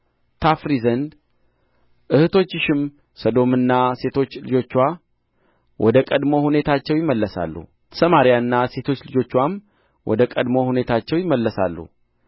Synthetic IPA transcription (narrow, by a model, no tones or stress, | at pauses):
t̪ʰafɾizənd̪ | ʔɨhɨt̪ʰo̞t͡ʃːɪʃɪm | səd̪o̞mɨnːase̞t̪ʰo̞t͡ʃːlɨd͡ʒo̞t͡ʃːwa | wʔɔd̪əkʼəd̪mo̞hune̞t̪ʰat͡ʃːɛwjɪmːəlːəsa̰lːṵ | səmaɾijaɨnːase̞t̪ʰo̞t͡ʃːlɨd͡ʒo̞t͡ʃːwam | wɔ̰d̪əkʼəd̪mo̞hune̞t̪ʰat͡ʃːɛwjɪmːəlːəsa̰lːṵ